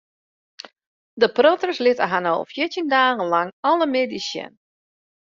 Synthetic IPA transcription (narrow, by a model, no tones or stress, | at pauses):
dəprɔtərslɪtəɦanɔ̰lˠfjɪtindaːɣənlaŋɔlˠəmedisjə̰n